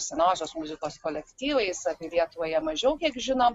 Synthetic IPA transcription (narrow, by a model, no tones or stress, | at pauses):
sʲɛnɑːzʲoːsmʊzʲɪkoːskoːlʲɛkt̪ʲiːʋɐɪsɐpʲiːlʲiɛt̪ʊʋoːjɛmɐʒʲɛʊkʲiɛkʒʲɪnom